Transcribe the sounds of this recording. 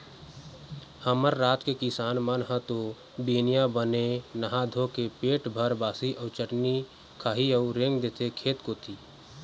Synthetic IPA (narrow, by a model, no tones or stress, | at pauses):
həməɾːaːt̪kekɪsaːnmənɦə̃t̪o | biːnijabənenəɦad̪ʱõkepeːʈbʱəɾbaːsiʔəːt͡ʃəʈni | kʰaːɦiəʊɾɪ̃ŋɡd̪et̪ekʰeːt̪kot̪ʰiː